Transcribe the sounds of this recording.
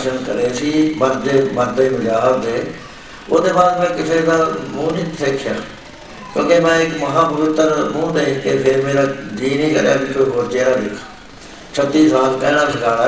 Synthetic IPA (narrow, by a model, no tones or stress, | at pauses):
ʃənkə̰ɾeːsiːməɾd̪eːməɾd̪eːmũːd͡ʒaːd̪eː | o̰sd̪eːbaːɾemɛ̃ːkɪseːd̪aːmũːnĩːsekʰːjaː | kjõːkeːmɛ̃ːɪkməɦãːpəʋɪt̪ːəɾmũːd̪eːkeːpʰeɾmeːɾaːd̪iːnĩːkə̰ɾja̰ːbiːt̪oːɦoːɾt͡ʃeːɾaːd̪ɪkʰa | t͡ʃʰət̪ːiːsaːlpɛːɽ̃ãːsəkaː